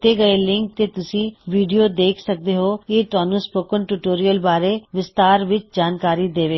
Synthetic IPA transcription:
t̪eːɡəelɪŋk̚t̪eːt̪ʊsĩːʋiːɖijoːd̪eːkʰsək̚d̪eːɦoːeːt̪ʊaːnũːspoːkənʈuːʈoːɾijəlbaːɾeːʋɪst̪aːɾʋɪt͡ʃd͡ʒaːnkaːɾiːd̪eːʋeː

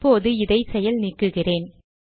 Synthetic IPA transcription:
oːðɯɪðɐɪsɛjɐlnikːɯɣɪreːn

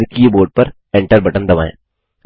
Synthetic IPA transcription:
kieboːɾʈ̚pɐɾ | ɛ̃ɳʈəɾbɐʈə̃nd̪ɐʋa̰ːḛ̃ː

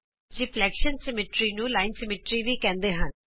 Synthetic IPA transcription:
d͡ʒiːflɛːkʃənsɪmeʈɾiːnũːlaːɪnsɪmɪːʈɾiːʋiːkɛ̃ːnd̪eːɦən

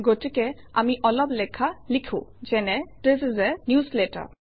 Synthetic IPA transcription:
ɡotikɛ | amiʔɔlɔblɛkʰalikʰṵ̃zɛnɛteszɛnjusletə̰

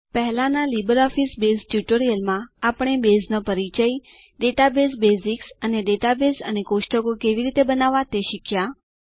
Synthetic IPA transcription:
pəɦɛlãnalibəɾɔfisbesʈjuʈoɾijəlmãapɳ̃ebesnəpəɾit͡ʃəj | ɖeʈabes̬besiksəneɖeʈabesə̰nekoʃʈəkokeʋiɾit̪ebənaʋãt̪eʃikʰja

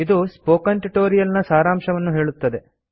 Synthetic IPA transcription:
id̪uspoːkɐɳʈiʈoːɾijɐlnɐsaːɾaːmʃɐʋɐnːuɦe̞ːɭut̪ːɐd̪e̞

